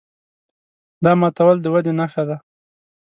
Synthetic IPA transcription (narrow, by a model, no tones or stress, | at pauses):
d̪ɑmɑt̪awald̪əwad̪enaxad̪a